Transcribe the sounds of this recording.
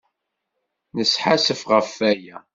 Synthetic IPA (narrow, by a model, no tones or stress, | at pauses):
nəsħasəfʁəfːæjæ